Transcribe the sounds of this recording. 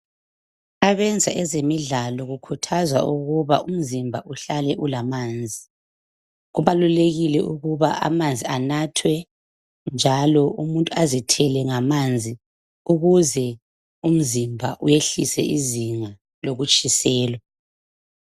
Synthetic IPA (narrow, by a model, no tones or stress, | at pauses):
aβɛnd͡zʱaʔɛzemiɮalɔɣukʰutʰazwa̰uɣuβaum̩zimbʱaʔuɬalɛʔulamaːnd͡zʱi | ɣuβaluleɣilɛ̰ʔṵɣuβaʔa̰mand͡zʱianatʰwɛ | nd͡ʒʱalɔumuntʼuazitʰɛlɛŋamand͡zʱi | uɣuzɛ | um̩zimbʱa̰ʔujeɬisɛ̰ʔiziŋa | loɣut͡ʃʼisɛːlwa